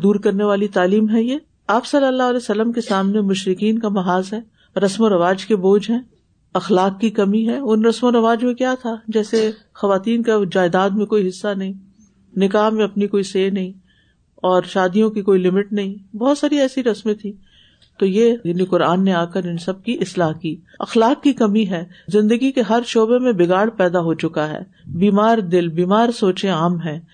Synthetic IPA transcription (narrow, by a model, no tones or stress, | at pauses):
d̪uːɾkɐɾneʋaːlit̪aːliːmɦɛjeː | aːpsɐləlːaːɦɐlɛːsɐlːəmkesaːmnemʊʃɾɪkiːnkamɐɦaːzɦɛː | ɾɐsmoɾɐʋaːd͡ʒkeboːd͡ʒɦɛ̃ː | ɐxlaːkːikɐmiɦɛːʊnɾɐsmoɾɐʋaːd͡ʒmẽkjat̪ʰad͡ʒɛːse | xɐʋaːt̪iːnkad͡ʒaːɪd̪aːd̪mẽkoːiɦɪsːanɐɦĩ | nɪkaːɦmẽɐpnikoːiseːnɐɦĩ | ɔːɾʃaːd̪ijõkikoːilɪmɪʈnɐɦĩbɔːt̪saːɾiɛːsiɾɐsmẽt̪ʰiː | t̪oːjeːjanikʊɾaːnːeaːkəɾɪnsɐb̚kiʔɪslaːɦkiː | ɐ̰xlaːkːikɐmiɦɛːzɪ̃nd̪əɡikeɦɐɾʃoːbemẽbɪɡaːɽpɛːd̪aɦot͡ʃʊkaɦɛ̰ː | biːmaːɾd̪ɪlbiːmaːɾsoːt͡ʃẽaːmɦɛ̃ː